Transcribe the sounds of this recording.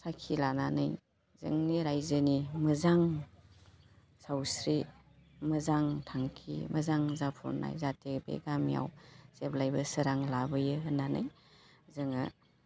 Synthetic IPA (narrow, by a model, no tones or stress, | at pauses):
sakʰilananɯ̰j | zɯ̰ŋniɾajzəniməzaŋ | sawsɾi | mɐzaŋtʰaŋkʰḭmɐzaŋzapʰṵɾna̰jzatekbḛɡamja̰wseplajbɐsɐɾaŋlabɯjɯɦɯnːanɯ̰j | zɯŋa